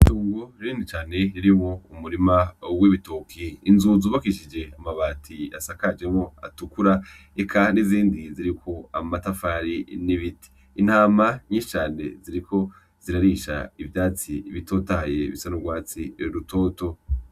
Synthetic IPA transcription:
ituːŋɡoɾiɾiːndit͡ʃaːne̞ɾiɾimoumuɾimawiβitokʰiːnzuzuːβakiʃid͡ʒe̞amaβaːtʰia̰sakad͡ʒe̞mŋo̞a̰tukuɾa | ekʰaniziːndiziɾikʰo̞amatafaɾiniβiti̥ːn̥haːmaɲiːʃi̥t͡ʃaːne̞̰ziɾikʰo̞ | z̥iɾaɾiʃa̰ivjaːt͡siβitʰo̞ːtahaje̞̰βisanoɡwaːt͡siɾutʰo̞ːto̞

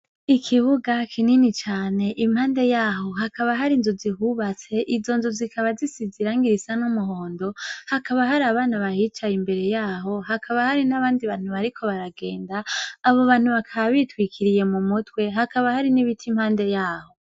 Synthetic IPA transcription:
ikʰiβuɡakʰininit͡ʃaːne̞ʔimhaːnde̞jaːɦo̞ɦakaβaɦaɾinzuziɦuβat͡se̞ʔizo̞nzuzikʰaβazisiziɾaːŋɡiɾisanumuɦoːndo̞hakaβaɦaɾaβaːnaβahit͡ʃajimbe̞ɾe̞jaːɦo̞ɦakʰaβahaɾinaβaːndiβaːn̥huβaɾikʰo̞βaɾaɡe̞ːndaːβo̞βaːn̥huβakʰaβaβitwikʰiɾije̞mumutwe̞ɦakaβahaɾiniβitʰimhaːnde̞jaːho̞

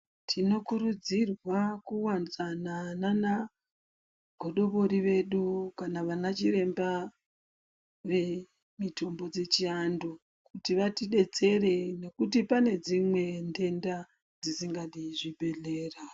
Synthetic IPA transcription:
tʰino̞kuɾud͡zirwakuwanit͡sananana | ɡ̥ʱo̞ɗo̞βoɾiʋe̞ɗukanaʋanat͡ʃire̞mba | ʋe̞ | mitʰo̞mbo̞d͡ze̞t͡ʃiandu | kutiʋatiɗe̞t͡se̞re̞ne̞kut̬ipane̞d͡zimwe̞nde̞nda | d͡zisiŋɡaɗiʐibʱe̞ɮe̞ːra

